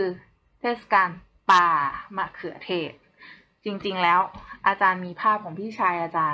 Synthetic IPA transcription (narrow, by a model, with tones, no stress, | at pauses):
kɯː˧ | t̪ʰeː˥˩sḁ˧kaː˧n | paː˧maː˧˩kʰɯ˨˩˦ɐt̪ʰeː˧˩t̚ | t͡ɕi˧ŋt͡ɕi˧ŋlɛː˦˥wʔaː˧t͡ɕaː˧nmiː˧pʰaː˥˩p̚kʰɔː˩˦ŋpʰiː˥˩t͡ɕʰaː˧jʔaː˧t͡ɕaː˧